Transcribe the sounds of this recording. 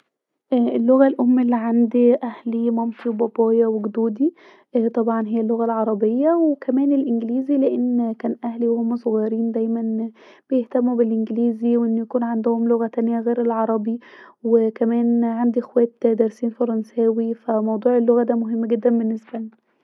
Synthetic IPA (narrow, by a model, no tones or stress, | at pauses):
ʔʔelːoɣælʔomːelːiʕand̪iʔæhlimɑmt̪ˤiwbɑbɑːjɑweɡd̪uːd̪i | ʔt̪ˤɑbʕɑnɦejːælːoɣælʕɑɾˤɑbejːæwekʰæmæːnelʔenɡliːzileʔenːkæːnʔæhliwehomːsˤoɣɑjɾiːnd̪æjmæn | b̥ejeht̪æmːubelʔenɡliːziweʔenːjækuːnʕand̪ohomloɣæt̪ænjæɣeːɾelʕɑɾˤɑbiwekæmæːnʕand̪iʔexwæːt̪d̪æɾˤsiːnfɑɾˤɑnsæːwifæmɑwd̪ˤuːʕelːoɣæd̪æːmoɦemːɡed̪ːænbenːesbæln